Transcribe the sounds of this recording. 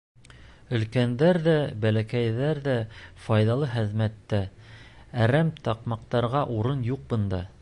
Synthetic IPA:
ɵ̆lkænd̪æɾðæbælækæjðæɾðæfɑjðɑlˠɤχɘ̆ðmæt̪ːæ | æɾæmt̪ɑqmɑq̚t̪ɑɾʁɑʔuɾɤnjuq̚bɤ̆nd̪ɑ

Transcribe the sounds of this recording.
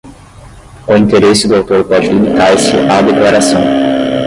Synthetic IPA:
ʊĩnt̪eɾesɪd̪ʊawt̪oɾpɔd͡ʒɪlimit̪aɾsɪʔad̪eklaɾasɐ̃w̃

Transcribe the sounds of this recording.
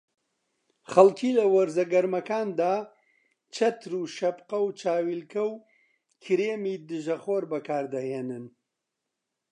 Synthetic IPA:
χɐlkʰiːlɐwɐɾzɐɡɐɾmɐkaːnd̪aː | t͡ʃʰɐt̪ʰɾuʃɐbqɐwt͡ʃʰaːwilkʰɐw | kʰɨɾeːmiːd̪ɨʒɐχoːɾbɐkʰaːɾd̪ɐheːnɨn

